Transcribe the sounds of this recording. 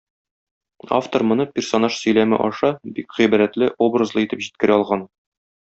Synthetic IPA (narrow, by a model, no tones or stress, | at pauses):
a̰ft̪oɾmŏnɤpʲɪrsonɑʃsɵ̆jlæmɘ̰ʔɒʃɑbikʁibæɾæt̪lɘʔobrɤzlˠɤit̪ɘpʑit̪̚kɘ̆ɾæɒlˠʁɑn